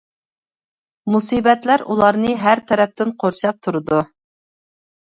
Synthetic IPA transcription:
musibɛt̪læɾulˠɑɾnɨɦæɾt̪ʰɛɾɛp̚t̪ɪnqʰoɾʃɑp̚t̪ʰuɾɨd̪u

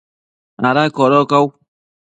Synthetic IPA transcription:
aɾaikɔɾɔkaw

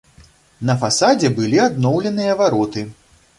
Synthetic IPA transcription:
nɐfasad͡zʲɛbɨlʲiad̪nɔwlʲɛnɨjɐvaɾɔt̪ɨ

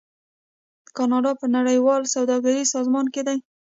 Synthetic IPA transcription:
əkɑnɑɖɑpənaɽəjwɑlsawd̪ɑɡaɾisɑzmɑnked̪aj

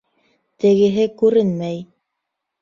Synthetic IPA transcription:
t̪ɘ̆ɡɘ̆ɦɘkʉɾɘnmæj

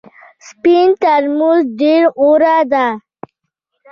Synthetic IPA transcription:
spint̪aɾmuzɖeɾoɾad̪a

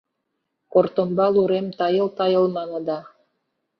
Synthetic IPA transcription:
kort̪ə̆mbɑlˠuɾemt̪ɑjɤ̆lˠt̪ɑjɤ̆lˠmɑnɤ̆d̪ɑ

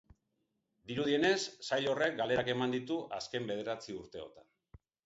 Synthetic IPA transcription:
d̪iɾuð̞ie̞ne̞sːajʎo̞re̞k̚ɡale̞ɾake̞mand̪it̪uʔa̰ske̞mbe̞ð̞eɾat͡siuɾt̪e̞o̞̰t̪an

